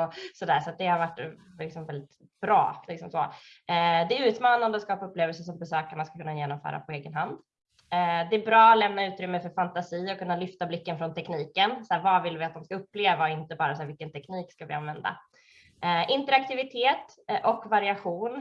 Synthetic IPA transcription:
ɔsɔd̪æːʂat̪̚d̪ɛhaɾvaʈːlɪksɔmvɛld̪ɪt̪ | b̥ɾɑ̰ːlɪksɔmsoː | d̪ɛʉ̟ːt̪mɑːnand̪əɔskɑːpaɵpːleːvɛlsəʂɔmbɛsøːkaɳaskakʰɵnːajeːnɔmfœ̰ːɾa̰pʰɔeːɡənɦand̪ | d̪ɛːbɾɑːalɛmnaʉ̟ːt̪ɾʏmːəfœɾfant̪asiːɔkʰɵnːalʏft̪ablɪkːənfɾɔnt̪ʰɛkniːkənsæːɾvɑːvɪlvɪat̪̚d̪ɔmskaɵpːleːvaɔɪnt̪əbɑːɾasaːvɪlkːənt̪ʰɛkniːkskavɪ̰a̰nvɛnd̪a̰ | ɛʔɪnt̪əɾakt̪ɪvɪt̪ʰeːt̪ | ʔɔkvaɾɪaɧuːn

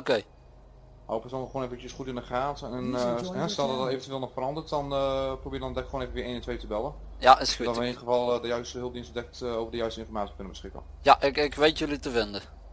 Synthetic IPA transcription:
okej | na̰wəpəsɔlˠnχoːneːfət͡ʃəsχutɪnəχaːtɛnɦɛstɛlˠdɔdɔteːvəntyʋeːlˠnɔχfərɑndərtdɔnprobɪːdɔndɛkχwoːneːvənʋɪːenɪntʋejtəbɛlə | jaɪsxdɔtʋəɪnitχəvɑlˠdəjœɥstəɦɵlˠp̚dinsdɛk̚toːvəɹdəjœɥstəɪ̃nfɔrmaːt͡ssiəkɵnəbəsχɪkə̰n | jaʔɪkɪkʋejtjølitəvɪndə

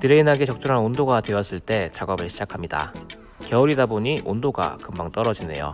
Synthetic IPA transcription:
nɯɾeinɦaɡet͡ɕʌk̚t͡ɕ͈uɾɦanondoɡadwe̞wʌs͈ɯɭt͈e̞t͡ɕaɡʌbɯɭɕʰid͡ʑakʰamɲida̰ | kjʌuɾidaboɲiʔondoɡa̰kɯmbaŋt͈ʌɾʌd͡ʑine̞̰jo̰

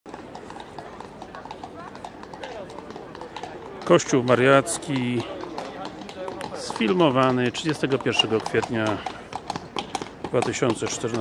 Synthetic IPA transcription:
kɔɕt͡ɕuwmaɾjat̪skʲi | sfʲilmɔvanɘtʂɘd͡ʑɛst̪ɛɡɔpʲjɛɾʂɛɡɔkfʲjɛt̪ɲa | d̪vat̪ɘɕɔnt̪sɛt͡ʂt̪ɛɾn

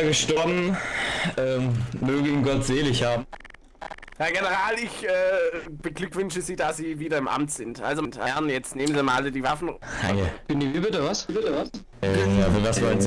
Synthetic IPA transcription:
ɡəʃtɔɐbn̩ | ʔɛːmøːɡəinɡɔtz̥eːlɪçhaːbm̩ | jaːɡenəʁ̞aːlɪçʔɛːb̥əɡlʏkv̥ʏnʃəziːdasz̥iːviːdɐɪmʔa̰mtz̥ɪntʔa̰lzontʔa̰ɐnjɛt͡stneːmənziɐmaʔalədiːvafn̩ha̰ə̰ɡ̥ɪndivibɪtəvasbɪtəvas | ʔɛːjaːfəvasv̥ɔln

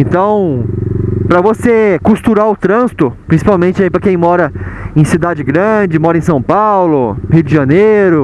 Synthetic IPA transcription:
ẽt̪ɐ̃w̃ | pɾɐvosekust̪uɾaʊt̪ɾɐ̃zit̪ʊpɾĩsi̥pawmẽnt͡ʃɪaipɾɐkẽj̃mɔɾɐẽj̃sid̪ad͡ʒɪɡɾɐ̃d͡ʒɪmɔɾɐẽs̬ɐ̃w̃pawlʊhiwd͡ʒɪʒɐnejɾʊ

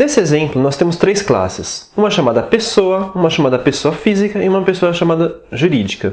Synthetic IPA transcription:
nesɪezẽmplʊnɔst̪ẽmʊst̪ɾejskla̰sɪs | ũmɐʃamad̪ɐpesowɐũmɐʃamad̪ɐpesoɐfizikɐɪũmɐpesoɐʃamad̪ɐʒuɾid͡ʒikɐ

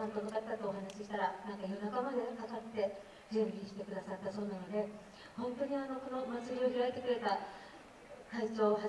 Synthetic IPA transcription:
ant̪omɯkat̪ːat̪ːoːɦanaɕiɕi̥t̪aɾanãŋkajonakamad̪e̞kak̪at̪ːe̞ | d͡ʑẽmbʲikʲi̥t̪e̞kɯ̟d̪asat̪ːaso̞ːnano̞d̪e̞ | hõ̞nt̪o̞ɲ̟iano̞ko̞no̞mat͡sɨbʲio̞çiɾaet̪e̞kɯ̟ɾe̞t̪a | kait͡ɕo̞ːɦa

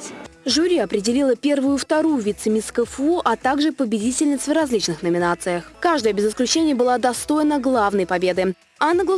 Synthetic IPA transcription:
ʐʊɾʲiɐpɾʲɪdʲɪlʲilˠəpʲe̞rvʊjʊft̪ɐɾujʊvʲit̪sɨmʲɪskəfuʔɐt̪aɡʐɨpəbʲɪdʲitʲɪlʲnʲɪt̪sərɐzʲlʲit͡ɕnɨxnəmʲɪnat̪sɨjəxkaʐd̪əjəbʲɪzɪsklʲʉt͡ɕenʲɪjəbɨlˠad̪ɐst̪o̞jɪnəɡlˠavn̪əjpɐbʲe̞d̪ɨ | anːəɡlˠə

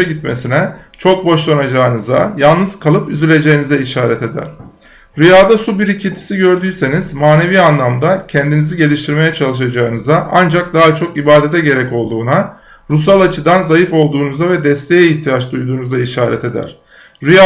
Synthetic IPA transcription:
aɟit̪me̞sinɛt͡ʃʰo̞k̚bo̞ʃlˠonad͡ʒaɯnɯzajalˠnɯzkʰalˠɯpyzylʲe̞d͡ʒe̞jinizɛiʃaːɾɛt̪e̞d̪æ̰ɾ̥ | ɾyjaːd̪asubiɾicʰint̪ʰi̥siɟø̞ɾd̪yːse̞nizmaːne̞viːanlˠamd̪acʰɛnd̪iniziɟe̞lʲiʃt̪ʰiɾme̞jɛt͡ʃʰalˠɯʃ̬ad͡ʒaɯnɯzaʔand͡ʒak̚d̪aɦat͡ʃʰo̞kibaːd̪et̪ʰɛɟe̞ɾɛco̞lˠd̪uːna | ɾus̬alˠat͡ʃʰɯd̪anzajɯfo̞lˠd̪uːnuzavɛd̪ɛst̪ʰe̞jɛiçt̪ʰijat͡ʃd̪ujd̪uːnuzaiʃaːɾɛ̰t̪e̞d̪æ̰ɾ̥ | ɾija

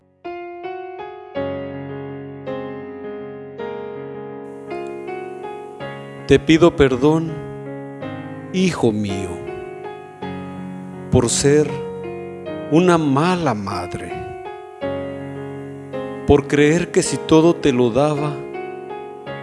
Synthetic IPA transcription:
t̪e̞piðo̞pe̞ɾðo̞n | ixomio̰ | poɾseɾ | unamalamaðɾḛ | poɾkɾeeɾke̞sit̪o̞ðo̞t̪e̞lo̞ðaβa

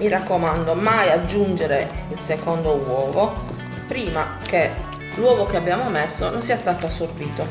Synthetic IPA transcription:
mirakːomand̪omajad͡ʒːund͡ʒeɾeilsekond̪owɔːvo | pɾiːma | ke | lwɔːvokeabːjaːmomesːononsiːast̪aːt̪oasːorbiːt̪o

